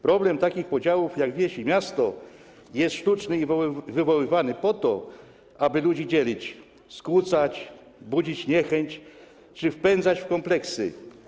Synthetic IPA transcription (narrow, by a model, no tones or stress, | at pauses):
pɾɔblɛmt̪akʲixpɔd͡ʑawufjaɡvʲjɛɕimʲjast̪ɔ | jɛst̪ʂt̪ut͡ʂnɘivɘvɔwɘvanɘpɔt̪ɔ | ʔabɘlud͡ʑid͡ʑɛlʲit͡ɕ | skwut̪sat͡ɕ | bud͡ʑit͡ɕɲɛxɛɲt͡ɕ | t͡ʂɘfpɛnd̪zat͡ɕfkɔmplɛksɘ̰